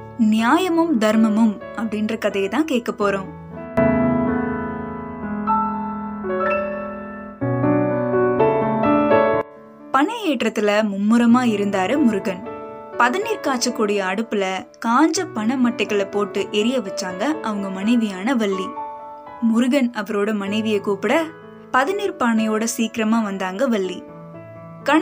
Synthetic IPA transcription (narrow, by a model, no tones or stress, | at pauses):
nɪjaːjɐmɯmd̪ɐɾmɐmɯm | ɐpːɐɽɪndrɐkɐðɐjɐt̪ãːkeːʈ̚kɐpːoːɾõːm | pɐɳɐeːʈrɐt̪ːɪlɐmʊmːɯɾɐmaːɪɾɯnd̪aːɾɯmʊɾɯɣɐnpɐðɪniːɾkaːʈt͡ʃːɐkːuːɽɐjɐːɽɯpːɯlɐkaːɲd͡ʒɐpːɐɳɐmːɐʈːɐkːɐɭɐpoːʈːɯʔɛɾɪjɐʋɐt͡ʃːaːŋɡɐʔɐʋɐŋɡɐmɐnɐɪʋɪjaːnɐʋɐɭːi | mʊɾɯɣɐnʔɐʋɐɾoːɽɐmɐnɐɪʋɪjɐkuːpɪɽɐ | pɐðɪniːɾpɐɳɐjoːɽɐsiːkɪɾɐmaːʋɐnd̪aːŋɡɐʋɐɭːi | kɐ